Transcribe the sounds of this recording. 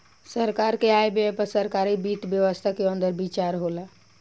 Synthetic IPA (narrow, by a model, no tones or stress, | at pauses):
səɾkaɾkeaebepəɾsəɾkaɾibit̪bjəʋəst̪ʰakeənd̪əɾbit͡ʃaɾɦola